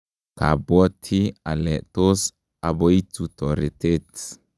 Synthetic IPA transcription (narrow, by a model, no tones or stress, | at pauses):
ka̰bɔt̪ʰialɛt̪os | aboit͡sut̪oɾet̪et